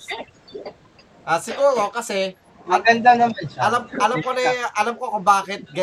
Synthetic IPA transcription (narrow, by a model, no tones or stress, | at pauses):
ʔaːsɪɡuːɾo̞kɐsɛ | mɐɡɐnd̪anɐmɛɐlamʔɐlɐmkonɐjaʔɐlamkokʊmbaːkɪt̪̚ɡɐ